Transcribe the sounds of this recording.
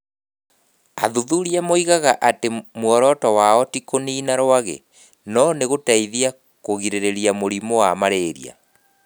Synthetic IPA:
aðuðuɾiamoiɣaɣaʔatemwɔɾɔtɔwaɔtikoniːnaɾwaɣḛ | nɔneɣotaiðia | koɣiɾeɾeɾiamoɾimowamaɾeːɾḭa̰

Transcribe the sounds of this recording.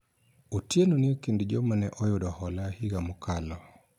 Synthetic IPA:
utjenonɪekindid͡ʒɔmanɛʔɔjodɔhɔlahiɡamukalɔ

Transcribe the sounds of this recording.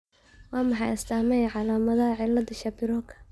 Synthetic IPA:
wɑːmɑħɑjɐst̪ʰaːmɛjʕɑlaːmɐðɐɦɐʕɪlːɐdɐʃɐbɪɾɔkʰɐ̥

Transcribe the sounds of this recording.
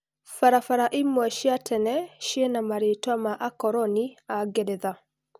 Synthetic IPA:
faɾafaɾaʔimɔɛʃiatʰɛnɛʃiɛnamaɾetwamaʔakɔɾɔniaɡɛdɛða

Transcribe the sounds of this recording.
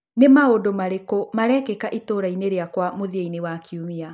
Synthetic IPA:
nemaodomaɾekomaɾɛkɛkaʔitoːɾaineɾeakwamoðiainewakʰiumia

